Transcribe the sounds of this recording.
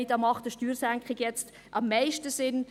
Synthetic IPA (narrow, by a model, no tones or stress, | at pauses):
ɪdɑːmɑχtəʃtyːɾsæŋkχɪɡjɛt͡st | ʔɑmːaɪʃtəsɪn